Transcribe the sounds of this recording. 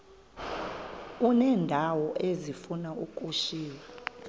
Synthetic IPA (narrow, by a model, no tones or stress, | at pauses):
unɛːndʱawɔʔezifunaukʼuʃiːla